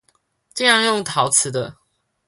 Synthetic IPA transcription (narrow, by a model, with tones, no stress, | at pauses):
t͡ɕə˥˧jɑ˥˧ŋjo˥˨ŋt̪ʰɑ˨˦ʊt͡sʰɹ̩˨˦d̪ə˧